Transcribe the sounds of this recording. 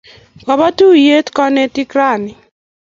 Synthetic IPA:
kɔ˨ba˦tu˦je˦tkɔ˦nɛ˦ti˦kɾa˦˨nɪ˨

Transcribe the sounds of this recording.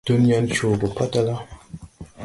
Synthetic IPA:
tə˦n˦ja˦n˦t͡ʃo˨bə˨pa˦ta˦la˦

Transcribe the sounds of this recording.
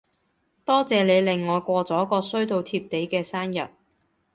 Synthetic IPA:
t̪ɔː˥t͡sɛː˨le˨˧jlɪ˨ŋːɔː˨˧jkʷɔː˧t͡sɔː˨˥kɔː˧sɵ˥ɥt̪o˨˧wt̪ʰiː˧p̚t̪e˨˥jkɛː˧saː˥njɐ̰˨˩t̚

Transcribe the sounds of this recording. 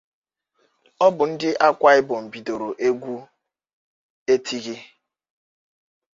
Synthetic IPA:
ɔ˦bʊ˨n̩˦dɪ˦ʔa˦kʷa˦ɪ˦bʊ˨m̩˨bi˨do˨ɾo˨ʔe˦ɡʷu˦ | e˦tʰi˦ɣi˦

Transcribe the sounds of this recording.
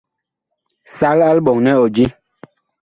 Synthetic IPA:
sa˦la˦lɓɔ˨ŋnɛ˦ɔ˨d͡ʒi˦

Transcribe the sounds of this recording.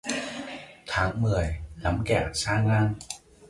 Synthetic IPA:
t̪ʰaː˨˦ŋmɨ˨˩əjna˨˦mkɛ˧˩saː˧ŋaː˧ŋ

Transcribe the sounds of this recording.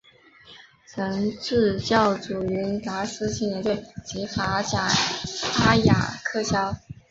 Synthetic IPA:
t͡sʰɤ˧˥ŋʈ͡ʂɻ̩˥˧t͡ɕjɑ˥˩ʊʈ͡ʂu˨˩y˧˥nt̪a˧˥sɹ̩˥ɕi˥˩njɛ˧˥nt̪ɛ˥˩ɪt͡ɕi˧˥fa˧˥t͡ɕja˨˩a˥ja̰˨˩kʰɤ˥˩ɕjɑ˥ʊ

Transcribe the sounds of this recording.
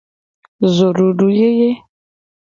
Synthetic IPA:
zo˨ɾu˨ɖu˨je˦je˦

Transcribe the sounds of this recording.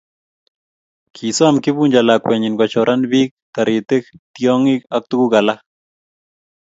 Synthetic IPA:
kʰi˨sɔ˦amkɪ˦buɲd͡ʒa˨la˨kwɛ˨ɲɪ˨nɡɔ˨t͡ʃɔ˨ɾʔa˦nbi˦k̚t̪a˨ɾɪ˨t̪e˦kt̪jɔ˦ŋi˦ka˦k̚tu˦ku˦ɡa˨la˦

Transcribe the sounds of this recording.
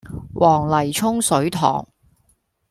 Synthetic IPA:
wʔɔː˨˩ŋlɐ˨˩jt͡ʃʰʊ˥ŋsɵ˨˥ɥt̪ʰɔ̰ː˨˩ŋ

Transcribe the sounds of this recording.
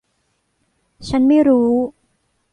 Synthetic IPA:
t͡ɕʰa˦˥nma˥˩jɾuː˦˥

